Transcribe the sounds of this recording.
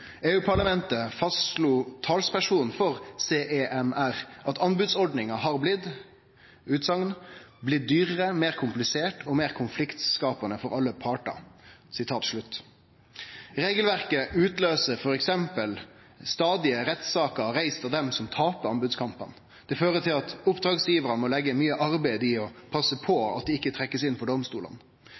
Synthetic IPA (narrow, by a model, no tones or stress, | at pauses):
eːʉːpʰɑɭɑmɛnt̪əfɑst̪ʂluːt̪ʰɑːlspʰæʂuːnnfɔʁseːʔeʔɛmæʁʔɑt̪ɑnbʉd̪sɔɖnɪŋɑɦɑʁblɪd̪ | ʉːt̪sɑŋnblɪt̪̚d̪yːʁəʁəmeːɾkʰʊmplɪseːʈʰɔmeːʁkʰʊnflɪkt̪skɑːpɑnəfɔɾɑlːəpʰɑːʈə̰sɪt̪ʰɑːt̪ʂɭʉt̪ː | ɾeːɡəlʋæʁkəʔʉːt̪løːsəfɔɾɛksɛmpəl | st̪ɑːd̪ɪəɾɛt̪sɑːkəɾæɪst̪ɑʋd̪ɛmsɔmt̪ʰɑːpəɾɑmbʉd̪skʰɑmpən | d̪̥ɛføːʁət̪ʰɪlɑt̪ʊpd̪ʁɑːɡsjiːʋəɾɑnmɔlɛɡəmyːəʔɑɾbæɪd̪ɪɔpʰɑsːəpʰɔɑ̰t̪̚d̪ɛɪkːət̪ʰɾɛkːəsɪnpʰɔɖɔmst̪uːlə̰n